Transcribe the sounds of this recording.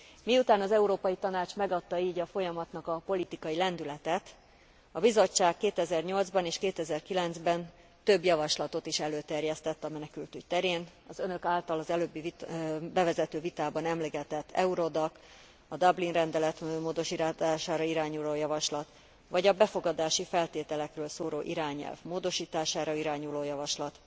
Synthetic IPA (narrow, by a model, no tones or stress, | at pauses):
miut̪aːnɒzɛuɾoːpɒjit̪ɒnaːt͡ʃmɛɡɒt̪ːɒiːɟɒfo̞jɒmɒt̪nɒkɒpo̞lit̪ikɒilɛnd̪ylɛt̪ɛt̪ | ɒbizo̞t͡ʃːaːkːeːt̪ɛzɛrɲo̞ld̪zbɒneːʃkeːt̪ɛzɛrkilɛnd̪zbɛn | t̪ø̞bjɒvɒʃlɒt̪o̞t̪iʃɛløːt̪ɛrjɛst̪ɛt̪ːɒmɛnɛkylt̪yct̪ɛɾeːnɒzø̞nø̞kaːlt̪ɒlɒzɛløːbːivbɛvɛzɛt̪øːvit̪aːbɒnɛmliɡɛt̪ɛt̪ʰːɛ̰uɾo̞d̪ɒk | ɒd̪ɒblinrɛnd̪ɛlɛt̪moːd̪o̞ʃiːt̪aaːʃaːɾɒiɾaːɲuloːjɒvɒʃlɒt̪ | vɒɟɒbɛfo̞ɡɒd̪aːʃifɛlt̪eːt̪ɛlɛkrøːlsoːɾo̰ːʔiɾaːɲɛ̰lvmoːd̪o̞ʃiːt̪aːʃaːɾɒiɾaːɲuloːjɒvɒʃlɒt̪